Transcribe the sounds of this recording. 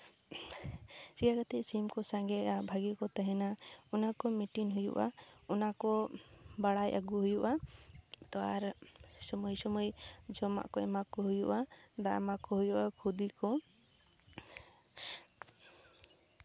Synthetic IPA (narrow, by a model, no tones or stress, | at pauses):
sikakat̪ɛʔsimkɔsãŋɡɛabʱaɡikɔt̪aɦɛnaɔnakɔmiʈinɦujṵʔa̰ɔnakɔbaɽajʔa̰ɡuɦujuʔa | t̪ɔaɾsɔmujsɔmɔjd͡ʒɔma̰ʔkɔɛmakɔɦujuʔad̪aɾmakɔɦujuʔakʰud̪ikɔ